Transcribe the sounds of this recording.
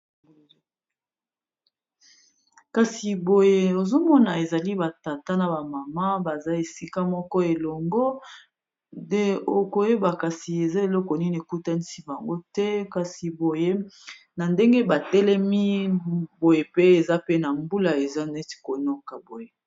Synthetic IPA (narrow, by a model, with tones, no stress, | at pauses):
ka˨si˨bo˨je˦o˨zo˦mɔ˦na˨e˨za˨li˦ba˨ta˨ta˦na˨ba˨ma˨ma˦ba˨za˦e˨si˦ka˦mɔ˦kɔ˦e˨lɔ˨ŋɡɔ˦ | e˦o˨ko˨je˦ba˨ka˨si˨e˨za˦e˨lɔ˦kɔ˨ni˦ne˨ku˦ta˦ni˦si˦ba˨ŋɡo˦tɛ˦ka˨si˨bo˨je˦ | na˨nde˦ŋɡe˦ba˨tɛ˦lɛ˦mi˦bo˨je˨pe˦e˨za˦pe˦na˨mbu˦la˨e˨za˦nɛ˦ti̥˨ko˨nɔ˦ka˨bo˨je˨˦